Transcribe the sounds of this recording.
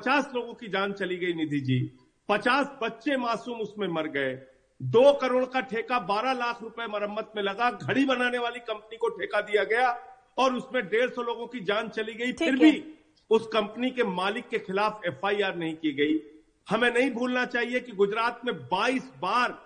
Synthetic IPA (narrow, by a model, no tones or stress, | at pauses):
pɐt͡ʃaːsloːɡõkid͡ʒaːnt͡ʃɐliɡɐinɪd̪ʱid͡ʒiː | pɐt͡ʃaːsbɐtːʃemaːsuːmʊsmẽmɐɾɡɐe | d̪oːkɐɾoːɽkaʈʰeːkabaːɾalaːkʰɾʊpemɐɾəmːət̪̚mẽlɐɡaɡʱɐɽibɐnaːneʋaːlikɐ̃mpnikoʈʰeːkad̪ijaɡɐja | ɔːɾʊsmẽɖeːɾsɔloːɡõkid͡ʒaːnt͡ʃɐliɡɐipʰɪɾbʱi | ʊskɐ̃mpnikemaːlɪkːexɪlaːfɛːfaːiaːɾnɐɦĩkiɡɐi | hɐmẽnɐɦĩbʱuːlnat͡ʃaːɦiekiɡʊd͡ʒɾaːt̪mẽbaːiːsbaːɾ